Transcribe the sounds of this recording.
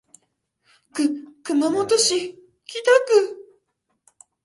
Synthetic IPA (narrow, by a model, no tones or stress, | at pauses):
kɯkɯmamot̪oɕi | kʲit̪akɯ̟